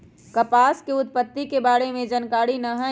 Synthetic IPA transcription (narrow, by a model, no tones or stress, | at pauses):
kɐpaːskeʊt̪̚pət̪ːikebaːɾemẽd͡ʒənkaːɽinɐɦə